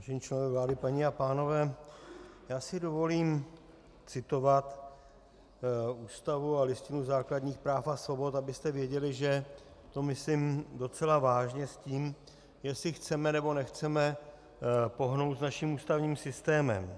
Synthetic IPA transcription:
ʒɛɲit͡ʃlɛnovɛvlaːdɪpaɲɪapaːno̞vɛː | jaːsɪdo̞vo̞liːm | t͡sɪt̪o̞vat̪ | uːst̪avualɪscɪnuzaːkladɲiːxpɾaːfasvo̞bo̞t̪abɪst̪ɛvjɛɟɛlɪʒɛ | t̪o̞mɪslɪmdo̞t͡sɛlavaːʒɲɛsciːm | jɛsɪxt͡sɛmɛnɛbo̞nɛxt͡sɛmɛ | po̞ɦno̞wt̪znaʃimuːst̪avɲiːmsɪst̪ɛːmɛ̰m

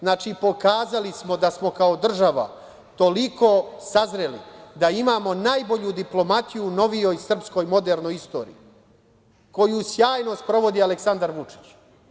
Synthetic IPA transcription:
znaːt͡ʃipo̞kaːzalismo̞d̪asmo̞kao̞d̪r̩ʒaʋa̰ | t̪o̞liko̞ːsazɾe̞lḭd̪aimaːmo̞naːjbo̞ʎud̪iplo̞mat̪ijuno̞ʋijo̞jsr̩psko̞jmo̞d̪eɾno̞jist̪o̞̰ːɾḭi | ko̞jusjaːjno̞st̪pɾo̞ʋo̞d̪iːaleksand̪aɾʋut͡ʂi̥t͡ɕ

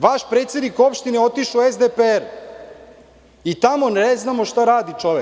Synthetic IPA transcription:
ʋaʃpɾeːt̪sʲed̪niko̞pʃt̪ineo̞t̪iʃoezd̪epeeɾ | it̪amo̞neznaːmo̞ʃt̪aɾaːd̪it͡ʃoʋe

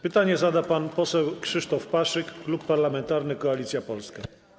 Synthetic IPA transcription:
pɘt̪aɲɛzad̪apanpɔsɛwkʂɘʂt̪ɔfpaʂɘkːlupːaɾlamɛnt̪aɾnɘkɔalʲit̪sʲjapɔlska

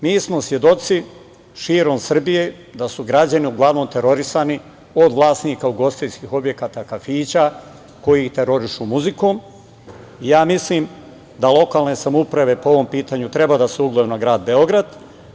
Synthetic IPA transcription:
miːsmo̞sʋje̞d̪o̞t̪si | ʃiːɾo̞msr̩bije̞ | d̪asuɡɾad͡ʑaniuɡlˠaʋnoːmt̪e̞ɾo̞ɾisani | o̞d̪ʋlˠaːsniːkauɡo̞st̪ijskiːxo̞bje̞kaːt̪akafiːt͡ɕa | ko̞jit̪e̞ɾo̞ɾiʃumuziko̞ːm | ijaːmisliːm | d̪alˠo̞kaːlne̞samupɾaʋe̞poo̞ʋo̞mpiːt̪aːɲut̪ɾe̞bad̪aseuɡlˠojunaɡɾaːd̪̚be̞o̞ɡɾad̪

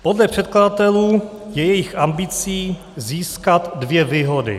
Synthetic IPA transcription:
po̞dlɛpr̥ɛt̪̚kladat̪ɛluː | jɛjɛjɪxʔambɪt͡siː | ziːskat̪dvjɛviːɦo̞dɪ̰

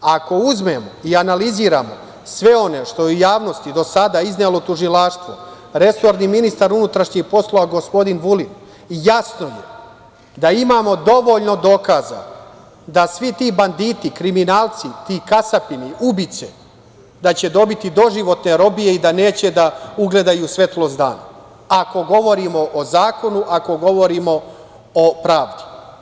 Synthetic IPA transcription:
ako̞uzme̞mo̞ianaliziːɾa̰mo̞̰ | sʋe̞o̞ne̞ʃt̪o̞jeujaːʋno̞st̪id̪o̞sad̪aizneːlˠo̞t̪uʒilˠaːʃt̪ʋo̰ | ɾe̞so̞ɾniminist̪aɾunut̪ɾaʂɲiɡpo̞slˠo̞ʋaɡo̞spo̞d̪inʋulin | jasno̞jḛ | d̪aimaːmo̞d̪o̞ʋo̞ʎno̞d̪o̞kaːza̰ | d̪asʋit̪iːband̪iːt̪ikɾiminaːlˠt̪sit̪iːkasapiniubit̪sḛ | d̪at͡ɕe̞d̪o̞bit̪id̪o̞ʒiʋo̞t̪ne̞ɾo̞bije̞id̪ane̞ːt͡ɕe̞d̪auɡle̞d̪ajusʋe̞t̪lozd̪a̰ːna̰ | ako̞ɡo̞ʋo̞ɾimo̞ʔozaːko̞nuʔako̞ɡo̞ʋo̞ɾimo̞ | opɾaːʋd̪u̥

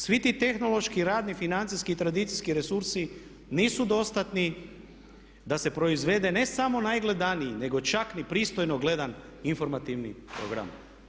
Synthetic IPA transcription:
sʋit̪iːt̪e̞xno̞lˠo̞ʃkiɾaːd̪nifinant̪sijskiit̪ɾad̪it̪siskiɾe̞suɾsi | niːsud̪o̞st̪at̪ni | d̪ase̞pɾo̞izʋe̞d̪e̞ne̞samo̞najɡle̞d̪aniine̞ɡo̞t͡ʃaknipɾiːst̪o̞jnoɡle̞d̪an | info̞ɾmat̪iʋnḭpɾo̰ɡɾa̰m

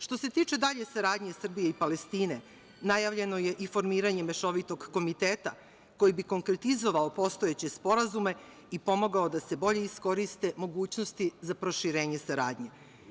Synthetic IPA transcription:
ʃt̪o̞se̞t̪iːt͡ʃe̞d̪aʎe̞saɾaːd̪ɲe̞sr̩bijeipale̞st̪iːne̞ | najaʋʎe̞no̞je̞ʔifo̞ɾmiːɾaɲe̞meʃo̞ʋit̪o̞ɡːo̞mit̪eːt̪a | ko̞jibiko̞ŋkɾe̞t̪izo̞ʋaopo̞st̪o̞jet͡ɕe̞spo̞ɾazume̞ | ipo̞mo̞ɡaod̪ase̞bo̞ʎe̞isko̞ɾist̪e̞mo̞ɡuːt͡ɕnost̪izapɾo̞ʃiɾeːɲe̞saɾa̰ːd̪ɲe̞

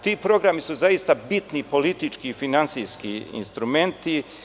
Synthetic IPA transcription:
t̪iːpɾo̞ɡɾamisuzaist̪abit̪nipo̞lit̪it͡ʃkiːfinansijskḭḭnst̪ɾume̞nt̪i

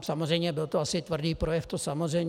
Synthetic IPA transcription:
samozrɛjmɲɛbɪlt̪oasɪt̪vr̩diːpɾojɛft̪osamorɛj

